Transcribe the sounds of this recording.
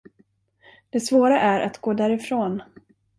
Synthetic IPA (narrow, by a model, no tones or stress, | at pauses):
d̪̥ɛsvoːɾaʔæɾʔat̪ɡoːd̪æɾɪfɾoːn